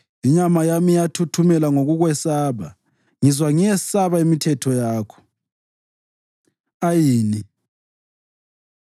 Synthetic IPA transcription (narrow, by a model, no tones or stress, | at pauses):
iɲamajamijatʰutʰumɛlaŋoɣuɣwɛsaβa̰ | ŋizwaŋijɛsaβaimitʰɛtʰɔjaːkʰɔ̥ | ajiːni